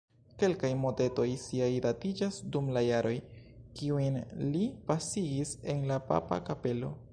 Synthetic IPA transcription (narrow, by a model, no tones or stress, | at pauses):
ke̞lkajmo̞te̞to̞jsiajdatid͡ʒasdumlajaɾo̞jkiujnlipasiɡise̞nlapa̰pa̰kape̞lo̞̰